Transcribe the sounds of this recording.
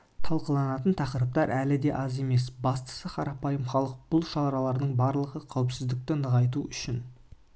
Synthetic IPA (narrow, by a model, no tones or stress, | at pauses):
t̪ʰɑlˠqəlˠɑnɑt̪ənt̪ʰɑqəɾəp̚t̪ɑɾʔælɪd̪e̞ʔɑze̞me̞sbɑst̪ə̥səqʰɑɾɑpɑjəmχɑlˠəq̚b̥ʊlˠʃɑɾɑlˠɑɾd̪əɴbɑɾlˠəʁəqʰæwɪpsɪzd̪ɪk̚t̪ɪnəʁɑjt̪̬uʏʃɪn